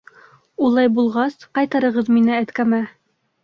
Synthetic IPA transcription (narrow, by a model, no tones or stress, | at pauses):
ulˠɑjbulˠʁɑsqɑjt̪ɑɾɤ̆ʁɤðminɘæt̪kæmæ